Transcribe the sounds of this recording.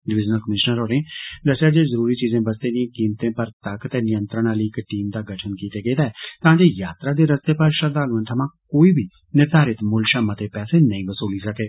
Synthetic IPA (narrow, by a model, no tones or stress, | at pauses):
ɖɪʋɪd͡ʒnəlkəmɪʃnəɾoːɾẽːd̪əsːeaːd͡ʒeːzəɾuːɾiːt͡ʃiːzẽːbəst̪ẽːd̪ĩẽːkiːmt̪ẽːpəɾt̪əkt̪eːnɪjə̃nt̪ɾəñaliːɪkʈiːmd̪aːɡəʈʰənkiːt̪eːɡeːd̪aːɛːt̪ãːd͡ʒeːjaːt̪ɾaːd̪eːɾəst̪eːpəɾʃəɾd̪aːluə̃nt̪ʰəmãːkoːiːbʱiː | nɪɾd̪ʱaːɾɪt̪mʊlʃamãt̪eːpɛːseːnəĩʋəsuːliːsəkeː